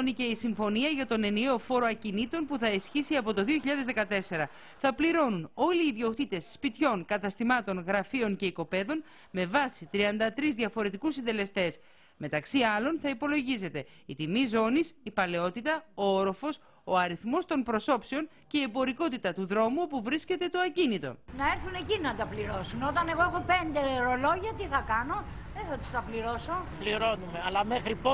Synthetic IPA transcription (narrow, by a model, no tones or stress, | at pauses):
nice̞isiɱfo̞niɐʝɐt̪o̞ne̞nie̞o̞fo̞ɾoɐcinit̪o̞npuθɐisçisiɐpo̞t̪o̞ðio̞çiʎɐðe̞zðe̞kɐt̪e̞se̞ɾɐ | θɐpliɾo̞nuno̞liːðio̞kt̪it̪e̞sːpit̪ço̞ŋkɐt̪ɐst̪imɐt̪o̞nɣɾɐfio̞nce̞iko̞pe̞ðo̞n | me̞vɐsit̪ɾiɐnd̪ɐt̪ɾizðʝɐfo̞ɾe̞t̪ikusind̪e̞le̞st̪e̞s | me̞t̪ɐksiɐlo̞nθɐipo̞lo̞ʝize̞t̪e̞ | it̪imizo̞nisipɐle̞o̞t̪it̪ɐooɾo̞fo̞s | o̞ɐɾiθmo̞st̪o̞npɾo̞so̞pseo̞n | ce̞iebo̞ɾiko̞t̪it̪ɐt̪uðɾo̞muo̞puvɾisce̞t̪e̞t̪o̞ɐcinit̪o̞̰nɐe̞ɾθune̞cinɐt̪ɐpliɾo̞sunot̪ɐne̞ɣo̞exo̞pend̪eɾo̞lo̞ʝiɐt̪iθɐkɐno̞ | ðeθɐt̪u̥st̪ɐpliɾoso̞pliɾo̞nume̞ɐlɐme̞xɾipo